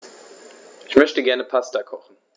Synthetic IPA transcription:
ʔɪçmœçtəɡɛɐnəpʰastakʰɔχn̩

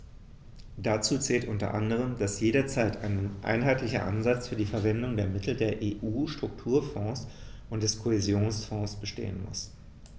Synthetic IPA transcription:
d̥at͡suːt͡sɛːltʔʊntɐ̰ʔa̰ndəʁ̞əmd̥asjeːɾɐt͡saɪtʰʔa̰ɪnənʔa̰ɪnɦaɪtʰlɪçɐ̰ʔa̰nzat͡sfyːɐdiːfɛɐvɛndʊŋdeːɐmɪtʰl̩deːɐʔeːʔuːʃtʁ̥ʊk̚tʰuːɐfɔ̃ːsʔʊntd̥ɛskʰohezjoːnsfɔ̃ːsb̥əʃtḛːə̰nmʊ̰s

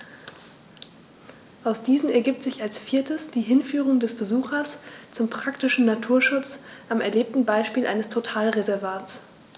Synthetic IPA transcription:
ʔaʊsd̥iːzn̩ɛɐɡiːp̚tz̥ɪçalsfiːɐtʰəsd̥iːɦɪnfyːʁʊŋdɛsb̥əzuːxɐst͡sʊmpʁ̥aktɪʃn̩natʰuːɐʃʊt͡sʔamɛɐleːp̚tn̩baɪʃpiːlʔa̰ɪnəstʰotʰaːlʁezɛɐvaːt͡s

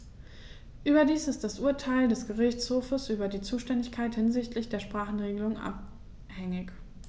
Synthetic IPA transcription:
ʔyːbɐdiːsɪstd̥asʔuːɐtʰaɪldɛsɡ̥əʁɪçt͡shoːfəsʔyːbɐdiːt͡suːʃtɛndɪçkʰaɪthɪnzɪçtʰlɪçd̥eːɐʃpʁ̥aːχn̩ʁeːɡəlʊŋʔa̰p̚ | hɛŋɪç

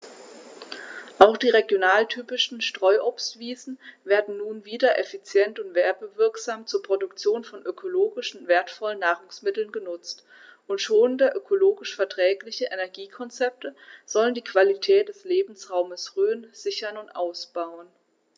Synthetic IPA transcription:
ʔaʊxd̥iːʁeɡjonaːltʰyːpɪʃn̩ʃtʁ̥ɔʏʔopstv̥iːzn̩veːɐdn̩nuːnviːdɐʔɛfit͡sjɛntʊntv̥ɛɐbəvɪɐkz̥aːmt͡suːɐpʁ̥odʊkt͡sjoːnfɔnʔøkʰoloːɡɪʃn̩veːɐtfɔlənːaːʁʊŋsmɪtl̩nɡənʊt͡st | ʊntʃoːəndəʔøkʰoloːɡɪʃfɛɐtʁ̥ɛːklɪçəʔenɛɐɡiːkʰɔnt͡sɛp̚təz̥ɔləndiːkv̥alitʰɛːt̚d̥ɛsleːbm̩sʁaʊməsʁøːənz̥ɪçɐnʊntʔaʊsb̥aʊən

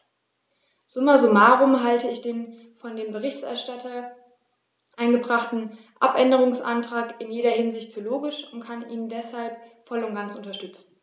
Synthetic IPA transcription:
z̥ʊmɐzomaːʁʊmɦaltəɪçd̥eːn | fɔndeːmbəʁ̞ɪçtɛ̰ɐʃtatʰɐ | ʔaɪnɡəbʁaχtn̩ | ʔa̰pʔɛndəʁ̞ʊŋsʔa̰ntʁ̥aːkɪnjeːɾɐhɪnzɪçtfyːɐloːɡɪʃʊntkʰaniːnndɛshalpfɔlʊnt̚ɡ̥ant͡sʊntɐʃtʏt͡sn̩

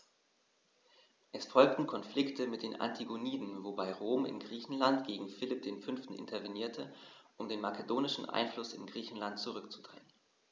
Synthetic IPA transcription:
ʔɛsfɔlk̚tn̩kʰɔnflɪktʰəmɪt̚d̥eːnʔa̰ntʰiɡoniːdn̩vobaɪʁoːmɪ̰nɡʁiːçn̩lantɡ̥eːɡŋ̩fɪlɪp̚d̥eːnfʏnftn̩ʔɪ̰ntʰɐveniːɐtʰəʔʊmdeːnmakʰedoːnɪʃn̩ʔa̰ɪnflʊsɪ̰nɡʁiːçn̩lantt͡suʁʏkt͡su̥d̥ʁ̥ɛ̰ŋən

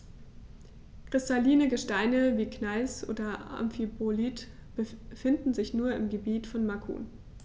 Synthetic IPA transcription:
kʁ̥ɪstaliːnəɡəʃtaɪnəviːknaɪsʔo̰ːdɐa̰mfibolitb̥əfɪndn̩zɪçnuːɐɪ̰mɡəbiːtfɔnmakʰṵn

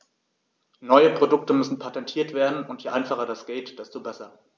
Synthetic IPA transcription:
nɔʏəpʁ̥odʊk̚təmʏsn̩pʰatɛntʰiːɐtv̥eːɐdn̩ʊntjeʔaɪnfaχɐdasɡ̥eːtd̥ɛstobɛsɐ

